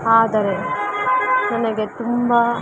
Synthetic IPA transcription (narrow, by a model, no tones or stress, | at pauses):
aːd̪ɐɾe | nɐnɐɡet̪umbɐ